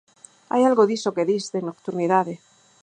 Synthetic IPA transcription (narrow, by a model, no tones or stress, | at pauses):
a̰jalɣoðisokeðisðenokt̪uɾniðaðe